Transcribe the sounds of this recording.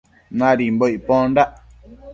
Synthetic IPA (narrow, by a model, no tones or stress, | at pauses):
nãɾimbojpɔ̃ndaʔ